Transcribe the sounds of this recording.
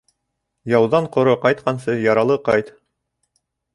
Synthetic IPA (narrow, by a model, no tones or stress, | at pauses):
jɑwðɑɴqŏɾoqɑjt̪̚qɑns̬ɤjɑɾɑlˠɤqɑjt̪